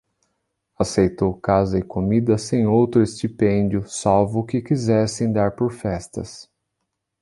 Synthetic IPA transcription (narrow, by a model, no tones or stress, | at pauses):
asejt̪owkazɐɪkomid̪ɐsẽj̃owt̪ɾʊest͡ʃ̪ipẽnd͡ʒʊsawvʊkɪkizɛsẽj̃d̪aɾpoɾfɛst̪ɐ̰s